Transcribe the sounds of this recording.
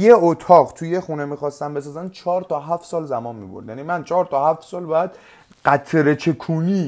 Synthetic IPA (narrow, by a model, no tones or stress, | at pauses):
jeot̪ʰɒːʁt̪ʰujexunemiːxɒːst̪æmbe̞sɒːzænt͡ʃʰɒːɾt̪ʰɒːɦæft̪sɒːlzæmɒːnmiːboɾd̪jænimænt͡ʃʰɒːɾt̪ʰɒhæft̪sɒːlbɒjæd̪̥ | ɢæt̪ʰɾet͡ʃʰekʰuːniː